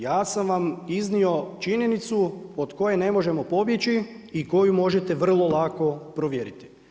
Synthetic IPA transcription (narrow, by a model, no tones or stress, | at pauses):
jaːsamʋamiznio̞t͡ʃiɲe̞nit̪suod̪ko̞je̞ne̞moʒe̞mo̞po̞bjet͡ɕi | iko̞jumo̞ʒet̪e̞ʋr̩lˠo̞lˠako̞pɾoʋjeɾit̪i̥